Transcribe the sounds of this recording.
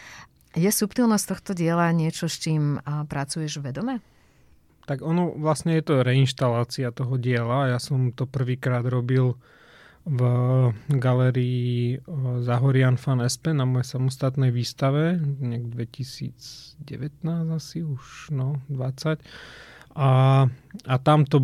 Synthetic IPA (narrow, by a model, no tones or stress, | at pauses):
jɛsupt̪ilˠnɔsct̪ɔxt̪ɔɟɪɛlaɲɪɛt͡ʃɔst͡ʃiːmpɾat͡sujɛʒʋʋɛd̪ɔmɛ | t̪aɡɔnɔʋlasɲɛjɛt̪ɔɾɛinʃt̪alaːt͡siat̪ɔɦɔɟɪɛlaːjasɔmt̪ɔpr̩ʋiːkɾaːd̪ɾɔbil | v | ɡalɛːɾiiː | zaɦɔɾɪanfanɛspɛnamɔjɛsamɔst̪at̪nɛjʋiːst̪aʋɛɲaɡd̪ʋɛcisḭːd͡zɟɛ̰ʋɛt̪naːzasiuʃnɔd̪ʋat͡sac | a | at̪amt̪ɔ